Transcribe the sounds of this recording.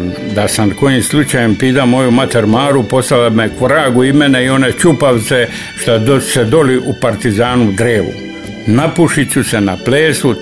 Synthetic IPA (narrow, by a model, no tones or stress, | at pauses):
d̪asanko̞jimslˠut͡ʃajempid̪amo̞jumat̪eɾmaːɾupo̞st̪alamekɾaːɡuimeneio̞net͡ʃupaʋt̪se | ʃt̪ad̪sed̪o̞liʔupaɾt̪izaːnuɡ̪ɾeːʋṵ | napuʃit͡ɕuse̞napleːsu